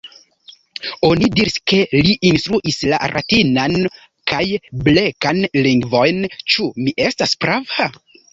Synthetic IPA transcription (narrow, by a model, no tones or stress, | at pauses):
o̞nidiɾiske̞liʔinstɾuʔisla̰ɾʔa̰tinan | kajble̞kanliŋɡvo̞jnt͡ʃumiʔe̞staspɾava